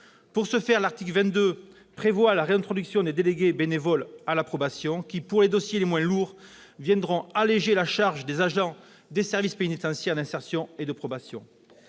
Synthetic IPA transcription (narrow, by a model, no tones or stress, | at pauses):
puʁsəfɛʁlaʁt̪ikləvɛ̃nt̪̚d̪ø | pχevwalaʁeɛ̃nt̪χɔd̪yksjɔ̃d̪ed̪eleɡebenevɔlalapχɔbasjɔ̃kʲipuʁled̪ɔsjelemwɛ̃luʁ | vjɛ̃d̪ʁɔ̃aleʒelaʃaʁʒd̪ezaʒɑ̃ | d̪esɛʁvispenit̪ɑ̃sjɛʁd̪ɛ̃sɛʁsjɔ̃ed̪əpχɔbasjɔ̰̃